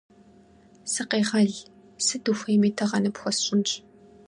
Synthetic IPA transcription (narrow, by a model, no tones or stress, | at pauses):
sɨqeːʁɐɮ | sɨduxʷeːmiːtʰɐʁɐnɨpxʷɔsɕʼɪnɕʼ